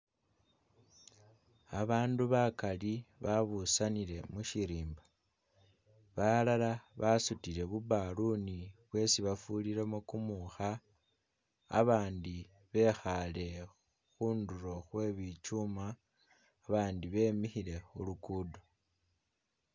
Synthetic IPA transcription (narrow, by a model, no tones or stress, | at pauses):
aβaːnduβakaliβaβusaniɾe̞muʃiɾiːmba | βalalaβasutile̞βubaluniβwe̞siβafuliɾe̞mukumuxa | βaːndi | βe̞xale̞ | xuːnduɾo̞xwe̞βit͡ʃumaː | βaːndiβe̞ːmixile̞xulukuːdo